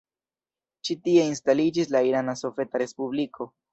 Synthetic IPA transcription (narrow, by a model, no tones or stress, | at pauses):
t͡ʃitie̞instalid͡ʒis̬laiɾanaso̞fe̞taɾe̞spublikʰo